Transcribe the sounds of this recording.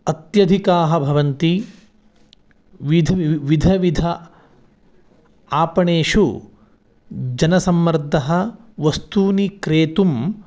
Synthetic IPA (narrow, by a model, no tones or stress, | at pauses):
ɐt̪jɐd̪ʱikaːɦɐbʱɐʋɐnt̪i | ʋid̪ʱɐʋid̪ʱɐʋid̪ʱɐ | aːpɐɳeːʃu | d͡ʒɐnɐsɐmːɐɾd̪ʱɐɦɐ̆ | ʋɐst̪uːnikɾeːt̪um